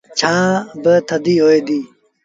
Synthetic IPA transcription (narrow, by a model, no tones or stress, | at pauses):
t͡ɕʰãːbət̪ʰɐd̪iːɦoːed̪iː